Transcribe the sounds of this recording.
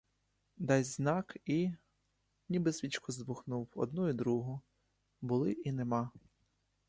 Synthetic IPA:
d̪ɑjʲznɑki | nʲibɪsʋʲit͡ʃkɔzd̪bʊxnuwɔ̰d̪̚nuid̪ɾuɦʊ | bʊlˠɪʔinemɑ

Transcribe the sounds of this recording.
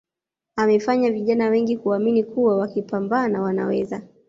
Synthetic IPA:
amɛfaɲaviʄanawɛŋɡikuaminikuwawakipambaːnawana̰wɛza

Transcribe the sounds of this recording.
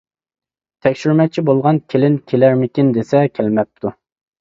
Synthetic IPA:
t̪ʰɛkʲʃyɾmɛt͡ʃʰibolˠʁɑnkʲʰelɪnkʲʰelæɾmɪkʲind̪esɛkʲʰælmɛp̚t̪ʰu

